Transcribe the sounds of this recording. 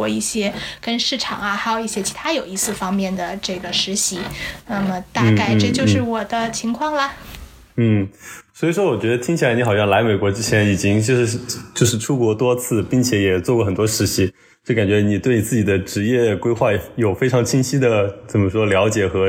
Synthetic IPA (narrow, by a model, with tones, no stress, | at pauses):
ɔ˥˧i˥˩ɕjɛ˥kə˥nʂɻ̩˥˩ʈ͡ʂʰɑ̰˨˩ŋɐ˦xa˧˥ɪjo˨ʊi˥˩ɕjɛ˥t͡ɕʰi˧˥t̪ʰa˥jo˨˩ʊi˥˧sɹ̩˥˩fɑ˥ŋmjɛ˥˩nd̪ə˩ʈ͡ʂɤ˥˩ɡə˩ʂɻ̩˧˥ɕi˧˥na˥˩mə˩t̪a˥˧˥ka˥˧ɪʈ͡ʂɤ˥˧t͡ɕjo˥˧ʊʂɻ̩˥˩wɔ˨˩d̪ə˦t͡ɕʰi˧˥ŋkʰwɑ˥˩ŋlə˩ | n̩˥˩swɔ˧˥i˨˩ʂwɔ˥wɔ˨˩t͡ɕɥɛ˧˥d̪ə˧t̪ʰi˥ŋt͡ɕʰi˨˩la˧˥ɪni˥xɑ˨˩ʊjɑ˥˩ŋla˧˥ɪme˨˩ɪkwɔ˧˥ʈ͡ʂɻ̩˥t͡ɕʰjɛ˧˥ni˨˩t͡ɕi˥ŋt͡ɕjo˥˧ʊʂ̩˥˩˥t͡ɕjo˥˧ʊʂɻ̩˥˩ʈ͡ʂʰu˥kwɔ˧˥t̪wɔ˥t͡sʰɹ̩˥˧pi˥˩ŋt͡ɕʰjɛ˨˧˥jɛ˨˩t͡swɔ˥˧kwɔ˥˩xə˨˩nt̪wɔ˥ʂɻ̩˧˥ɕi˧˥ | t͡ɕo˥˩ka˨˩nt͡ɕɥɛ˧˥˧ni˨˩we˥˩ɪni˨˩t͡sɹ̩˥˩t͡ɕi˨˩d̪ə˦ʈ͡ʂɻ̩˧˥jɛ˥˩kwe˥ɪxwa˥˩jo˨˩ʊfe˥ɪʈ͡ʂʰɑ˧˥ŋt͡ɕʰi˥ŋɕi˥d̪ə˨t͡sə˨˩mə˦ʂwɔ˥ljɑ˧˥ʊt͡ɕjɛ˨˩xɤ˧˥